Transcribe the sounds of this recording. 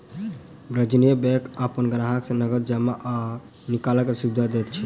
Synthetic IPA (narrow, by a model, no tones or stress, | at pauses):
bɾəd͡ʒinijəbekəpənɡənaɦaksẽnəɡəd̪̚d͡ʒamaʔa | nikaləkːesubid̪ʱad̪ɛt̪̚t͡ʃʰi